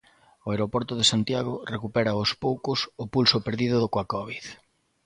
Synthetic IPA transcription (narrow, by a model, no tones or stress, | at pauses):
ʊeɾopɔɾt̪ʊðesant̪jaɣ̞orekupɛɾɐospowkʊsʊpulsʊpeɾðiðʊðokwakɔβiθ